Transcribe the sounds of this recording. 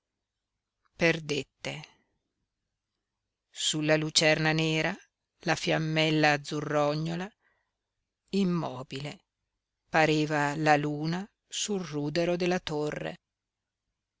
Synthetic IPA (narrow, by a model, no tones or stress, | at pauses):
perd̪et̪ːe | sulːalut͡ʃɛrnaneːɾa | lafjamːɛlːaːd̪zurːɔɲːola | imːɔːbile | paɾeːvalaluːna | sulruːd̪eɾod̪elːat̪orːḛ